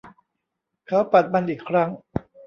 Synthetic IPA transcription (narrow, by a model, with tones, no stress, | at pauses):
kʰa˦˥wpa˨˩t̪̚ma˧nʔiː˨˩kʰɾa˦˥ŋ